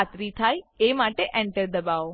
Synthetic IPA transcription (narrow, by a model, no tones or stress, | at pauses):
at̪ɾit̪ʰajemaʈeʔɛ̃ɳʈəɾd̪əbaʋo